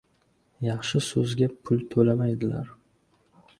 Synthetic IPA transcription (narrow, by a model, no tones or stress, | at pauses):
jɑχʃɪsɵzɡʲapʰʊlˠt̪ʰɵlamajd̪ɪla̰ɾ